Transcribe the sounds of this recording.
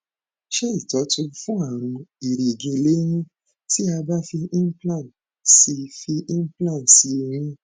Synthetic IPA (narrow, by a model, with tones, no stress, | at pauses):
ʃɛ˦i˦˨tɔ˨˦tũ˧fũ˦a˦˨ɾ̃ũ˧i˨ɾe˨ɡĩ˧le˦j̃ĩ˦ | ti˦a˧ba˦fi˧ĩ˦plã˦˨n | si˧fi˧ĩ˦plã˦˨nsi˨˦o˧ɾ̃ĩ˦